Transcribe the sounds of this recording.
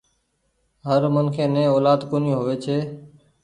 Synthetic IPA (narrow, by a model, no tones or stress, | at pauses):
ɦəɾmənkʰẽːnẽːoːlaːd̪konĩːɦoːʋeːt͡ʃʰeː